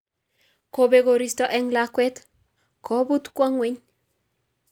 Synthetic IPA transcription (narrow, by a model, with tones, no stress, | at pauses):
ko˨beɡo˨ɾist̪ɔ˦ʔɛ˦ŋlakwɛ˦t̪ | kɔ˨bu˦t̪kwa˦ŋwe˦ɲ